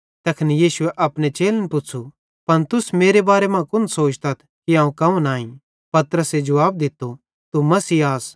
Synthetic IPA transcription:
t̪ɐkʰɐnijiːsʊɛʔɐpɽ̃et͡ʃeːlnpʊsʰu | pɐnt̪ʊsmeːɾebaːɾemãkʊnsoːt͡ʃt̪ɐt̪ʰkiãːũkɐũnaːĩ | pɐt̪ɾəsed͡ʒɐaːb̚d̪ɪt̪ːo | t̪umɐsiːaːs

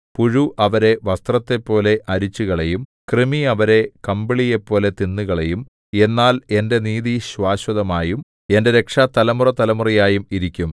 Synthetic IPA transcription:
puɻuʔɐʋɐɾe̞ʋɐst̪rɐt̪ːe̞pːo̞ːle̞ʔɐɾit͡ɕːuɣɐɭe̞jumkrimiɐʋɐɾe̞kɐmbiɭije̞pːo̞ːle̞t̪inːuɣɐɭejum | e̞nːaːle̞nde̞niːðiɕwaːɕwɐðɐmaːjum | e̞nde̞ɾe̞kʂat̪ɐlɐmurɐt̪ɐlɐmurijaːjumiɾikʲːum

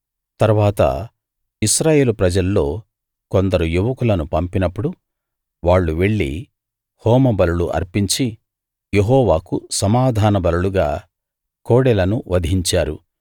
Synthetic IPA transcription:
t̪ɐɾuʋaːt̪ɐ̰ | iʃɾaːje̞ːlupɾɐd͡ʒɐlːo̞ː | kond̪ɐɾujuʋɐkulɐnupɐmpinɐpːuɽu | ʋaːɭːuʋe̞ɭːḭ | hɔːmɐbɐluluʔɐ̰ɾpiɲt͡ʃi | je̞ɦɔːʋaːkusɐmaːd̪ʱaːnɐbɐluluɡaː | koːɽɛlɐnuʋɐd̪ʱiɲt͡ʃaːɾṵ

